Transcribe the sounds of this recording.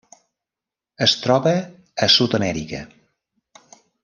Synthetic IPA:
əst̪ɾɔβəː | sut̪əmɛɾikə̰

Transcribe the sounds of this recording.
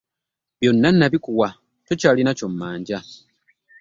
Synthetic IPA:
βjo̞nːanːaβikuwa | to̞caːlinaco̞mːaːɲɟa

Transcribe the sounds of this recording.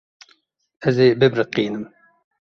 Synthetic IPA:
ɛzeːbɨbɾɨqiːnɨm

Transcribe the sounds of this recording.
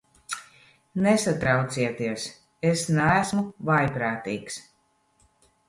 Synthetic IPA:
nesat̪ɾawt̪siɛt̪iɛs | esnæːsmuvajpɾaːt̪iːks

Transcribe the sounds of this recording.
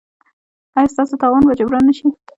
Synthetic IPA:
ɑjɑst̪ɑsot̪ɑwɑnwad͡ʒabɾɑnːəʃi

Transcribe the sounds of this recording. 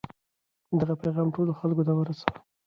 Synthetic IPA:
d̪aɣapajɣɑmʈoloxalkot̪̬awəɾasaw

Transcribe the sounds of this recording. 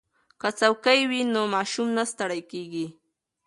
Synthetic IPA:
kat͡sawkajwɪnomaʃʊmnast̪aɾajkajkɪ

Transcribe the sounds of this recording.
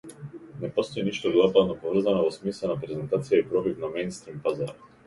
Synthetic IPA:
nɛpɔst̪ɔiniʃt̪ɔɡ̪ˠapad̪nɔpɔvr̩zanɔvɔsmislˠɛnapɾɛzɛnt̪at̪sijaipɾɔvivnamɛjnst̪ɾimpazaɾ

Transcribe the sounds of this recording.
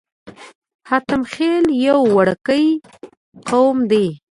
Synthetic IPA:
hat̪əmxeljawːaɽəkəj | qawmd̪e

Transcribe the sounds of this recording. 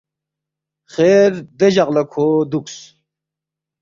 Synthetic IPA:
χeːɾd̪eʑaʁlɐkʰod̪uks

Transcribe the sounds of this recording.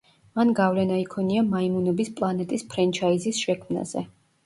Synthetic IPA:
manɡavlɛnaikʰɔniamaimunɔbispʼlˠanɛt̪ʼispʰɾɛnt͡ʃʰaizisʃɛkʰmna̰zɛ

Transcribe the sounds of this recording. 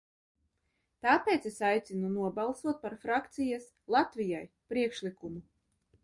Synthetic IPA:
t̪aːpeːt̪sesajt̪sinunuɔbalˠsuɔt̪̚paɾfɾakt̪sijas | lˠat̪vʲijaj | pɾiɛkʃlikumu

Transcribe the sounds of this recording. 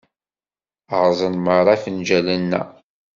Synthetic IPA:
ʁzˤənməɾˤɑfənd͡ʒælənːæ̰

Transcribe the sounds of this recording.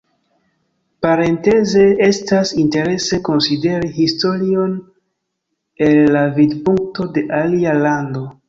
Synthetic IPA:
paɾe̞nte̞ze̞estasinte̞ɾe̞se̞ko̞nside̞ɾiɦisto̞ɾio̞n | e̞lːavidpuŋk̚to̞de̞ʔalialando

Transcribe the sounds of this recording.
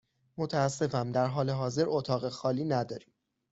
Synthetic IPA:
mot̪ʰæːsːe̞fæmd̪æɾɦɒːle̞ɦɒːze̞ɾot̪ʰɒːɣe̞xɒːliːnæd̪ɒːɾiːm

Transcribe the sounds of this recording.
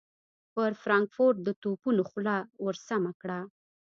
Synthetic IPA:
pəɾfɾɑŋkfoɾʈ̚d̪ət̪opunoxlɑwəɾsamakɽa

